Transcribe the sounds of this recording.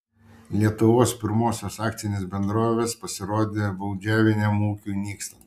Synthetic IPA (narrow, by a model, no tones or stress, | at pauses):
lʲiɛt̪ʊʋoːspʲɪɾmoːsʲoːsɑːkt̪sʲɪnʲeːsbʲɛnd̪ɾoːʋʲeːspɐsʲɪɾoːd̪ʲeːbɐʊd͡ʒʲæːʋʲenʲɛmuːkʲuːnʲiːksʲlʲˠɐ